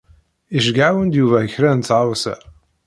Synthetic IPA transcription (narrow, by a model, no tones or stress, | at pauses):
iʒɡʕawənd̪juvæəçɾænt͡sːʕawsæ̰